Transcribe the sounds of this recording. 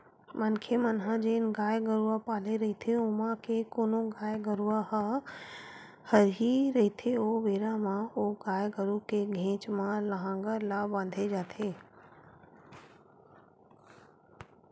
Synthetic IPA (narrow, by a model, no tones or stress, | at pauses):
mənkʰemənɦãd͡ʒenɡaːjɡəɾuapaːleɾɐit̪ʰeʊmãkekoːnoɡaːjɡəɾuaɦ | həɾɦiɾɐɦit̪ʰeoʋeːɾamãoɡaːjɡəɾukeɡʱẽːt͡ʃmãləɦãːŋɡəɾlabãːnd̪ʱed͡ʒaːt̪ʰeː